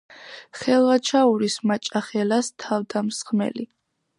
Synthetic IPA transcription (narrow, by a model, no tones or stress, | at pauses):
χɛlˠvat͡ʃʰauɾismat͡ʃʼaχɛlast̪ʰavd̪amsχmɛ̰li